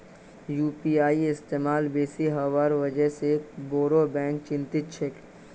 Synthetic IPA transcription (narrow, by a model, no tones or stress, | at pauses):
juːpiːaːiɪst̪eːmaːlbeːsiɦəʋaːɾʋɐd͡ʒəɦsekboːɾobɛ̃ːŋkt͡ʃɪ̃nt̪ɪt̪̚t͡ʃʰek